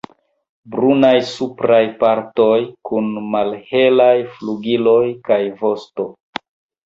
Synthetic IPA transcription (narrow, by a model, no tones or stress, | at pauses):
bɾunajsupɾajpaɾto̞jkunmalhe̞lajfluɡilo̞jkajvo̞sto̞